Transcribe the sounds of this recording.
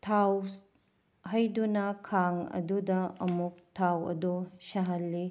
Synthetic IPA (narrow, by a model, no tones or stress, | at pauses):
tʰaw | ɦɐjdunɐkʰaŋɐ̰dudɐɐmuk̚tʰawɐ̰dosɐɦɐlːi